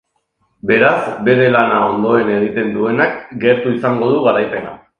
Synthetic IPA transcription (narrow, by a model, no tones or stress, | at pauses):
be̞ɾazbe̞ɾe̞lanao̞nd̪o̞e̞ne̞ɣit̪e̞nd̪ue̞nakɡe̞ɾt̪uisaŋɡo̞ð̞uɣaɾajpe̞na̰